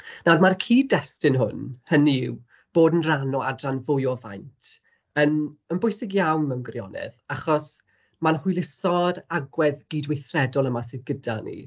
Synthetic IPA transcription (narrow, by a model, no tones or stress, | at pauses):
namarkʰiːdɛstɪnɦʊ̰nhəniɪw | b̥oːdən̩ranɔadranvʊjɔva̰jntʰ | ənənbʊjsɪɡjawnmɛwnɡwrjɔ̰nɛ̰ðaχɔs | manhʊjlˠɪsɔɾaɡwɛðɡiːdwejθrɛdɔlˠəmasɨðɡəda̰nḭ